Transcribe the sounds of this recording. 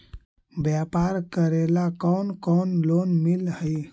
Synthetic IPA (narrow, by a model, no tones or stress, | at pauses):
bjapaɾkəɾelakɔnkɔnlonmilhəj